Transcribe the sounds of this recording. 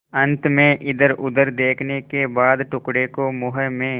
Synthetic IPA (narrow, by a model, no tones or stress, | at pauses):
ə̃nt̪mẽʔɪd̪əɾʊd̪əɾd̪eːkʰnekebaːd̪ʈʊkɽekomʊɦəmẽː